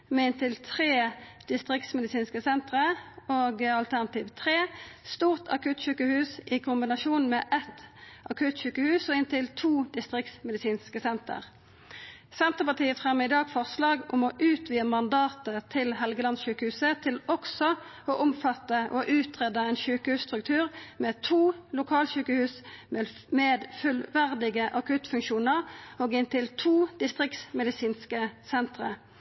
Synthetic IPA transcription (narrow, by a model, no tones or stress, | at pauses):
mɛɪnt̪ɪlt̪ʰʁeːd̪̥ɪst̪ʁɪk̚t̪smɛd̪ɪsiːnskəsɛnt̪ʁəoːɡɑlt̪ʰæʁnɑt̪iːʋt̪ʰʁeːst̪uːʁt̪ʰɑ̰kʉt̪ʃʉːkəhʉːsɪkʰʊmbɪnɑʃuːnmɛʔɛt̪ɑkʰʉt̪ʃʉːkəhʉːsɔɪnt̪ɪlt̪ʰuːd̪ɪst̪ʁɪk̚t̪smɛd̪ɪsiːnskəsɛnt̪ə̰ʁ | sɛnt̪əʁpɑt̪iːəfʁɛmːəɪd̪ɑːɡfɔʁslɑːɡʊmoːʔʉːt̪ʰʋiːəmɑnd̪ɑːt̪ət̪ʰɪlɦɛlɡəlɑnsɕʉːkəhʉːsət̪ʰɪlɔksɔ | oʔʊmfɑt̪ːəʔoʔʉːt̪ʁeːd̪ɑɛnʃʉːkəhʉːst̪ʁʉkt̪ʰʉːʁmeːt̪ʰuːlʊkʰɑːlʃʉːkəhʉːsm | meːd̪fʉlʋæʁd̪ɪɡəʔɑkʉt̪fʉŋʃuːnəʁoːɡɪnt̪ɪlt̪ʰuːd̪̥ɪst̪ʁɪksmɛd̪ɪsiːnskəsɛnt̪ʁə